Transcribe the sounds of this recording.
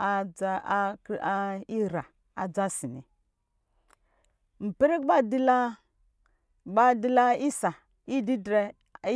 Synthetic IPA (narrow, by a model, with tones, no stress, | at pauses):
a˦a˦ka˦i˦ɾa˨ | a̰˨d͡za˦si˨nḭ˨ | m̩˨pi˦ɾi˦k̚ba˦di˦la˦ | ba˦di˦la˦i˦sa˨ | i˦di˦dɾe˦ | i˦